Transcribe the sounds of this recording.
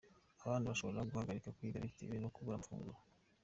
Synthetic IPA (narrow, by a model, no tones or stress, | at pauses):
aβaːndiβaʃo̞βoɾeaɡuhaɡaɾikakwiɡaɾitḭβinokuβuɾamfṵːŋɡuɾo